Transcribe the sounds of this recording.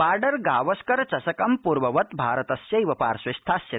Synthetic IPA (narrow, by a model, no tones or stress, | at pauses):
aːɾɖɐɾɡaːʋɐskɐɾt͡ʃɐsɐkɐmpuːɾʋɐʋɐt̪bʱaːɾɐt̪ɐsjɐiʋɐpaːɾsʋɐst̪ʰaːsjɐ